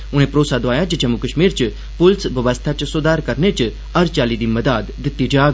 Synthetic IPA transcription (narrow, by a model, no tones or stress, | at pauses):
ʊɽ̤̃ẽːpɾoːsad̪ʋaːjad͡ʒət͡ʃəmukəʃmiːɾt͡ʃɨ | pʊlsʋəʋəst̪ʰat͡ʃsʊd̪aːɾkɐɾnet͡ʃ | ɐɾt͡ʃaːlid̪iːmɐd̪aːd̪ːɪt̪ːiːd͡ʒaːɡ